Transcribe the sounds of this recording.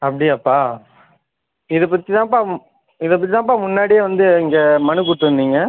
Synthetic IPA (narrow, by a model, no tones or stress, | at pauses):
ɐpːɐɽijaːpːaː | ɪðɐpːɐt̪ːɪt̪ãːpaː | ɪðɐp̬ːɐt̪̬ːɪt̪ãːp̬aːmʊnːaːɽɪjeʋɐnd̪ɯɪŋɡɐmɐnɯk̬ʊɽʈːɯɯnd̪iːŋɡɐ